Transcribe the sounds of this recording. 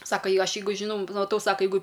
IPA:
ˈsɑːkɐ ˈjɛɪ ˈɐʃ ˈjɛɪɡʊ ʒʲɪˈnɐʊ mɐˈtɐʊ ˈsɑːkɐ ˈjɛɪɡʊ

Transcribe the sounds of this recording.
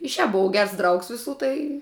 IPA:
ɪ ʃʲæːp bʊˈʋɐʊ ˈɡʲɛrs ˈdrɐʊks ʋʲɪˈsuː tɐɪ

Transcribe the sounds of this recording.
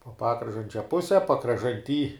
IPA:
poː ˈpɑːkrɐʒɐnʲt͡ʃʲoː ˈpʊsʲɛ pɐkrɐʒɐnʲˈtʲiː

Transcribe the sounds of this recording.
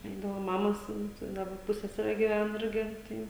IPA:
ˈɛɪdɐʋoː ˈmɑːmoːs ˈɪmt ɪ ˈdɑːbɐ ˈpʊsʲsʲɛsʲɛrʲɛ ɡʲɪˈʋʲɛn ˈɪrʲɡʲɪ ˈtɐɪ

